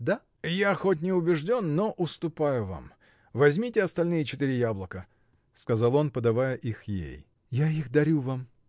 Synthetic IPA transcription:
d̪a | jaxot̬̚ʲnʲɪʊbʲɪʐdʲo̞nːoʔʊst̪ʊpajʊva̰m | vɐzʲmʲitʲɪɐst̪ɐlʲnɨjɪt͡ɕɪt̪iɾʲɪjablˠəkə | skɐzalˠo̞npəd̪ɐvajəʔixjḛj | jaixd̪ɐɾʲuvam

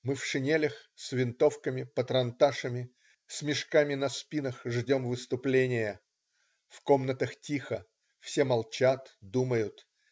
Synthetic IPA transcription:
mɨfʂɨnʲelʲəxsvʲɪnt̪o̞fkəmʲɪpət̪ɾɐnt̪aʂəmʲɪ | sʲmʲɪʂkamʲɪnɐspʲinəxʐdʲo̞mvɨst̪ʊplʲenʲɪjə | fko̞mnət̪əxtʲixə | fsʲemɐlˠt͡ɕat̪d̪uməjʊt̪

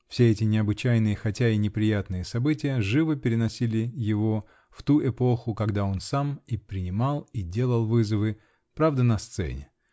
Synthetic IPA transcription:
fsʲeɛtʲɪnʲɪɐbɨt͡ɕæjnɨjəxɐtʲæinʲɪpɾʲɪjat̪nɨjəsɐbɨtʲɪjəʐɨvəpʲɪɾʲɪnɐsʲilʲɪjɪvo̞ | ft̪uʔɛpo̞xʊkɐɡd̪ao̞nsamipɾʲɪnʲɪmalˠidʲe̞lˠəlˠvɨzəvɨ | pɾavd̪ənɐst̪sɛ̰nʲɪ̰

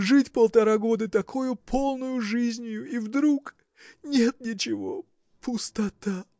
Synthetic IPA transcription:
ʐɨtʲpəlˠt̪ɐɾaɡo̞d̪ɨt̪ɐkʰojʊpʰolˠnʊjʊʐɨzʲnʲjʊivd̪ɾuk | nʲe̞t̪̚nʲɪt͡ɕɪvo | pʰʊst̪ɐt̪a

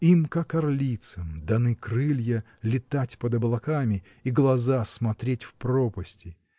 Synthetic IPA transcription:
imkakːɐrlʲit̪səmd̪ɐnɨkrɨlʲjə | lʲɪt̪atʲpəd̪ɐblˠɐkamʲɪ | iɡlˠɐzasmɐt̪ɾʲetʲfpropəsʲtʲɪ

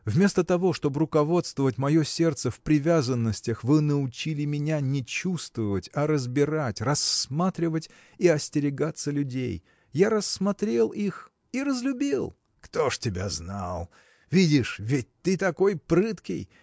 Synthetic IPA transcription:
vmʲe̞st̪ət̪ɐvo̞ʂt̪o̞bəɾʊkɐvo̞t̪st̪vəvətʲmɐjo̞sʲe̞rt̪səfpɾʲɪvʲazənːəsʲtʲəxvɨnəʊt͡ɕilʲɪmʲɪnʲanʲɪt͡ɕust̪vəvətʲɐɾəzbʲɪɾatʲrɐsmat̪ɾʲɪvətʲ | iɐsʲtʲɪɾʲɪɡat̪səlʲʉdʲḛj | jaɾəsːmɐt̪ɾʲe̞lˠix | iɾəzlʲʊbʲilˠ | kt̪oʂtʲɪbʲa̰zna̰lˠ | vʲidʲɪʂvʲɪt̚ʲt̪ɨt̪ɐko̞jpɾɨt̪kʲɪ̰j

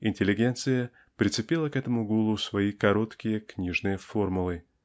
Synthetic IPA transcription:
ɪnʲtʲɪlʲːɪɡʲent̪sɨjə | pɾʲɪt̪sɨpʲilˠəkɛt̪əmʊɡulˠʊsvɐikɐɾo̞t̪kʲɪjəknʲiʐnɨjəformʊlˠɨ

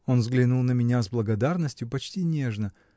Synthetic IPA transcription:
o̞nvzɡlʲɪnulˠnəmʲɪnʲazblˠəɡɐd̪arnəsʲtʲjʊpɐt͡ɕtʲinʲe̞ʐnə

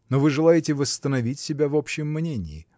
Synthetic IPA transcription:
novɨʐɨlˠajɪtʲɪvəst̪ənɐvʲitʲsʲɪbʲavopɕɪəmːnʲenʲɪ̰ɪ

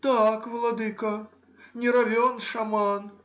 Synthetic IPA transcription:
t̪akvɐlˠɐd̪ɨkɐ | nʲɛɾɐvʲɔnʂɐman

